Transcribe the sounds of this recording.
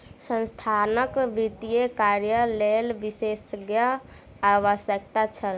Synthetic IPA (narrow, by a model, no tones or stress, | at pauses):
sə̃nst̪ʰanəkʋit̪ijekaɾjəlelʋisesəɡjə | aʋəsjək̚t̪at͡ʃʰəl